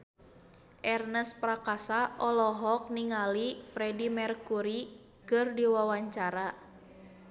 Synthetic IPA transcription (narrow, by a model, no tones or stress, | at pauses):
ʔɛrnəspɾakasaʔɔlɔɦɔk̚niŋalifɾɛdimɛrkuɾi | kɨrdiwawaɲt͡ʃaɾa